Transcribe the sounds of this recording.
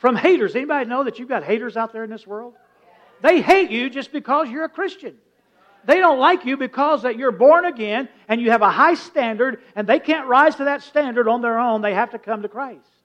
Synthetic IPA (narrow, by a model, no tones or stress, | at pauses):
fɹʌ̃mheɪɾə˞zɛnibɑɾinoʊðɨt͡ʃɨvɡɑt̚heɪɾə˞zaʊt̪̚ðə˞ɨ̃nðɪswɜ˞lˠd̥̪̚ | ðeɪheɪt͡ʃɨd͡ʒʌsb̥ɨkʰʌzjə˞ɨkʰɹ̥ɪst͡ʃɨ̃n | ðeɪɾõʊ̃nʔˡlaɪkjɨbɨkʰɔzðɨt͡ʃə˞bɔɹnɨɡɛ̃n | ɨ̃njɨːvəhaɪstæ̃ndə˞ɾ | ɨ̃nðeɪkʰæ̃nʔ̚ɹaɪz̥tʰɨðɨtstæ̃ndə˞ɾn̩ðə˞õʊ̃nðeɪhæftɨkʰʌ̃mtɨkʰɹ̥aɪst